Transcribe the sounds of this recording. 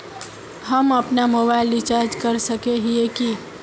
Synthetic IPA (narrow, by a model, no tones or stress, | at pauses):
həməpnamobaɪlɖit͡ʃaɾd͡ʒkəɾsəkeɦieki